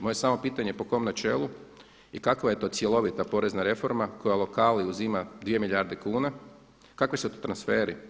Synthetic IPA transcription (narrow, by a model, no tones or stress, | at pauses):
moje̞saːmo̞piːt̪aɲepo̞ko̞mnat͡ʃḛːlˠu | ikakʋaje̞t̪o̞ːt̪sje̞lo̞ʋit̪apo̞ɾe̞znaɾe̞fo̞ɾmako̞jalˠo̞kaliuzimad̪ʋije̞milʎʲjaɾd̪ekuːna | kakʋisut̪ot̪ɾansfeːɾi